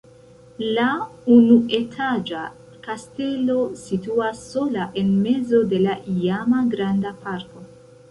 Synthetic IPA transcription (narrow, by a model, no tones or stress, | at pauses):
launue̞tʰad͡ʒa | kaste̞lo̞situasːo̞laʔe̞nme̞zo̞de̞laʔiamaɡɾandapaɾko̞